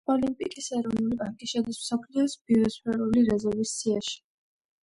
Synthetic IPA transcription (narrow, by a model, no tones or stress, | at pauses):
ɔlimpʼikʼisɛɾɔnulipʼaŋkʼiʃɛd̪ismsɔpʰliɔsbiɾɔspɛɾuliɾɛzɛɾvisːiaʃi̥